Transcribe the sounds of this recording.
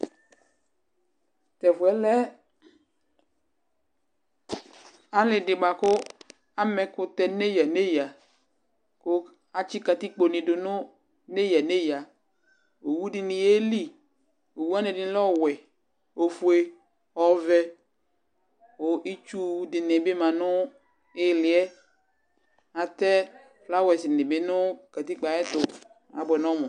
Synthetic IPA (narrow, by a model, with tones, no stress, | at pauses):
t̪ɛ˨fʊ˨ɛ˦lɛ˦ | a˨lɪ˨dɪ˨ɡ͡ba˨kʊ˦ | a˦mɛ˨kʊ˨t̪ɛ˨ne˦ja˨ne˦ja˨ | ko˦ | a˨t͡ʃi˦ka˨t̪i˦k͡po˨nɪ̃˨dʊ˨nʊ̃˦ | ne˦ja˨ne˦ja˨ | o˨wu˦dɪ˨nɪ˨e˦li˦ | o˨wu˦a˦nɛ̃˨dɪ˨˦lɔ˦wɛ˨ | o˨fu˨e˦ | ɔ˨vɛ˦ | o˨ʔi˦t͡ʃu˦dɪ˨nɪ˨be˦mã˨nʊ˦ | ɪ˦lɪ˨ɛ˦ | a˨t̪ɛ˦ | fla˦wɛ˨sɪ˨nɪ̃˨be˦nʊ̃˦ka˨t̪i˦k͡pa˨˦ɛ˦t̪ʊ˨ | a̰˨bɛ˨nɔ̃˦mʊ̃˨